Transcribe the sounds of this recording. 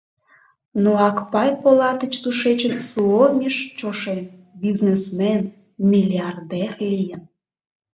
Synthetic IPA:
noɑkpɑjpolɑt̪ət͡ɕt̪uʃet͡ɕənsuomʲiʃt͡ɕoʃen | biznesmen | mʲilʲiɑrd̪erlijən

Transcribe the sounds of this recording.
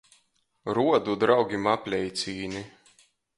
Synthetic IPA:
ɾuɔd̪ud̪ɾawɡʲimapʲlʲɛjt̪sʲiːni

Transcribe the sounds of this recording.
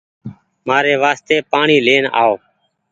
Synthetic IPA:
maːɾeːʋaːst̪eːpaːɳiːleːna̰ːoː

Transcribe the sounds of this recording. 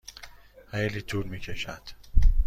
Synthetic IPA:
hejliːt̪ʰuːlmiːcʰeʃæd̪̥

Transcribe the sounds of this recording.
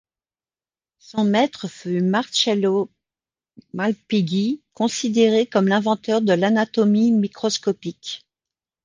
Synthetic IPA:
sɔ̃mɛt̪χəfymaʁʃɛlo | malpiɡikɔ̃sid̪eʁekɔmlɛ̃vɑ̃t̪œʁd̪əlanat̪ɔmimikχɔskɔpik

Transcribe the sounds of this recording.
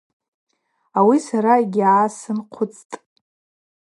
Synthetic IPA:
awisaɾaeɡʲaːsɨnqʷʰʊt͡sʼtʼ

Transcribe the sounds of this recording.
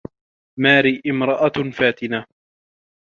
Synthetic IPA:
maːɾiːʔɪmɾˤɑʔafaːt̪ɪna

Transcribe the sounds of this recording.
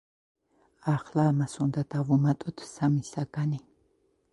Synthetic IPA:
aχlaːmasʊnd̪at̪avʊmat̪ʼʊt̪ʰsamisakʼani

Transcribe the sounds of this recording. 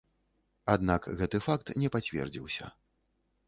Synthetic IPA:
ad̪nakɣɛt̪ɨfak̚t̪nʲɛpat͡sʲvʲɛ̰rd͡zʲḭwsʲɐ̰

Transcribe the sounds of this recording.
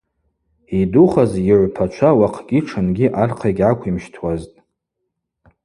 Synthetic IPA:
iduχaziʕʷpʰat͡ʃʷʰawaqʰɡʲiʈ͡ʂʰɨnɡʲiʔarqʰajɡʲʕakʷʰimʃtʰwaztʼ

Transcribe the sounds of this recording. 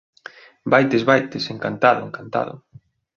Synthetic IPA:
bajt̪ezβajt̪eseŋkant̪aðʊeŋkant̪a̰ðʊ̰

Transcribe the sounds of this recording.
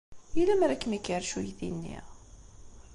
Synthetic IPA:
ilæmɾækːmikːəɾʃujðinːḭʁ

